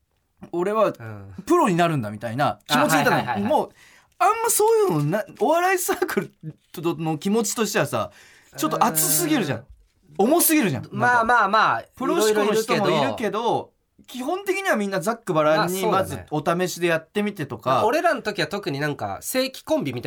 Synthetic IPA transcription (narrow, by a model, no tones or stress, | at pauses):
o̞ɾe̞βapɯ̟ɾo̞ɲ̟inaɾɯ̟̃nd̪amʲit̪a̰inakʲimo̞t͡ɕiit̪annmo | ãmːaso̞ːjɯ̟nonaoβaɾaisaːkɯ̟ɾɯ̟ | nokʲimo̞t͡ɕi̥t̪o̞ɕi̥t̪e̞βasa̰ | t͡ɕo̞t̪ːoat͡sɨsɨɡʲiɾɯ̟ʑã̰ | o̞mo̞sɨɡʲeɾɯ̟ʑã̰mamaːmaːpɯ̟ɾoɕikonoç̥t̪omoiɾɯ̟ke̞d̪o̞ | kʲiɦõ̞nt̪e̞kʲiɲ̟iβamʲĩnːad͡zakːɯbaɾaɲːimazɨo̞t̪ame̞ɕid̪e̞jat̪ːe̞mʲit̪e̞t̪o̞kaoɾe̞ɾanot̪o̞kʲiβat̪o̞kɯ̟ɲ̟inãŋka̰se̞ːkʲi̥kõ̞mbʲimʲit̪